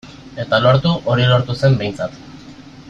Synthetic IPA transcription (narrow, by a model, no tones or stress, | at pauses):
e̞t̪alo̞ɾt̪uʔo̞ɾilo̞ɾt̪use̞mbe̞jnt͡sat̪